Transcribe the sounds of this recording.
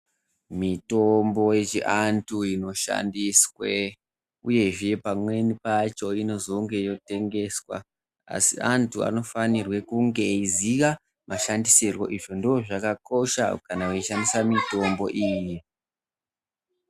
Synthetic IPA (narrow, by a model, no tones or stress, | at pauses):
mito̞mbo̞et͡ʃḭʔantʰuino̞ʃa̰ndiswe | uje̞ʐe̞pamwe̞nipat͡ʃo̞ino̞zo̞ŋɡe̞jo̞te̞ŋɡe̞swa̰ | a̰siantʰua̰no̞fanirwe̞kuŋɡe̞iziʋa | mʔaʃandisirwo̞̰ʔiʐo̞ndooʐakako̞ʃa̰kanauiʃandisamito̞mbo̞ʔiːji